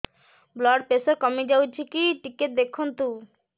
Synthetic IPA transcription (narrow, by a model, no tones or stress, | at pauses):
blɔɖ̚pesoɾkɔmid͡ʑawt͡ɕʰikiʈikeʈ̚d̪ekʰːunt̪u